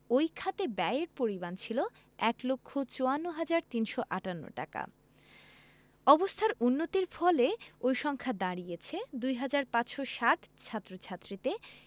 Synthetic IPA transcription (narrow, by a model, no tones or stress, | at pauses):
ojkʰat̪ebɛeɾpoɾibant͡ɕʰilo | ɛklokʰːot͡ɕoanːoɦad͡ʑaɾt̪inʃoʔaʈanːo̰ʈa̰ka̰ | ɔbost̪ʰaɾunːot̪iɾfɔleojʃɔŋkʰad̪aɾiet͡ɕʰed̪ujɦad͡ʑaɾpãt͡ɕʃoʃaʈt͡ɕʰat̪ːɾot͡ɕʰat̪ːɾit̪e